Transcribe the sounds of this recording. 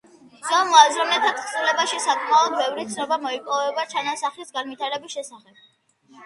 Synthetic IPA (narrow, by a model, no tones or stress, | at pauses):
zamɔazɾɔmnlɛt̪ʰat̪ʰsʼulɛbaʃisakʼmaɔd̪̚bɛvɾit̪sʰnɔbamɔipʼɔvɛbat͡ʃʰanasaχlisɡanvit̪ʰaɾɛbisʃɛsaχɛb̥̚